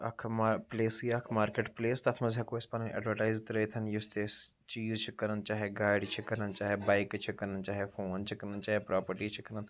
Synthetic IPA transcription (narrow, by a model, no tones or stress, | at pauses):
ɐkʰmapleːsiakʰmaːɾkeːʈpleːst̪ɐt̪ʰmɐzɦɐkoːɪspɐːnnʔɐ̰ɖʋəʈaːɪzt̪ɐɾet̪ʰɐnjʊst̪eːs | t͡ʃiːzt͡ʃʰikɐɾənt͡ʃaːɦeɡaːɪɖt͡ʃʰikɐɾənt͡ʃaːɦebaːɪkt͡ʃʰikɐɾənt͡ʃaːɦefoːnt͡ʃʰikɐɾənt͡ʃaːɦepɾaːpəɾʈiːt͡ʃʰikɐɾən